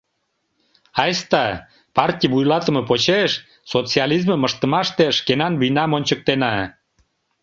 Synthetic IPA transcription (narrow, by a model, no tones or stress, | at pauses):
ɑjst̪ɑ | pɑrtʲijβujlɑt̪ə̆məpot͡ɕeʃ | sot͡siɑlizməməʃt̪ə̆mɑʃt̪eʃkenɑnβijnɑmonʲt͡ɕək̚t̪enɑ